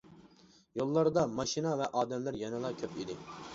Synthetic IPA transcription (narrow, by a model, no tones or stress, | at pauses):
jolˠːɑɾd̪ɑmɑʃinɑvɛʔɑːd̪ɛmlæɾjɛnɨlˠɑkʲʰøpid̪ɪ